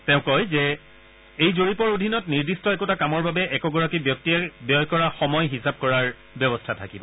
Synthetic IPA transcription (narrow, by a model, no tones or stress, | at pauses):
tɛ̃ʊ̃kɔjzɛ | ejzoɹipɔɹodʱinɔtniɹdistɔɛkutakamɔɹbabɛʔɛkɔɡɔɹakibjɔk̚tiɛbjɔjkɔɹaxɔmɔjɦisab̚kɔɹaɹ | bjɔbɔstʰatʰakibɔ